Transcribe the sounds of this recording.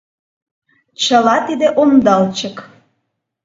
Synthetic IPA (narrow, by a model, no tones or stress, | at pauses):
t͡ɕəlɑt̪id̪eʔomd̪ɑlt͡ɕək